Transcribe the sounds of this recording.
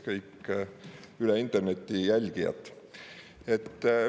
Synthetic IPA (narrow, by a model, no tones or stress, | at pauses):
kɤjkː | yleint̪ːˑerne̞t̪ːijælʲɡ̥ijɑ̰t̪ːˑ | et̪ː